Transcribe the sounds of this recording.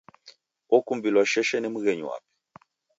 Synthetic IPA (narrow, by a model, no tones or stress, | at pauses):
ɔkumbilwaʃɛʃɛnɛmuɣɛɲṵwa̰pɛ̥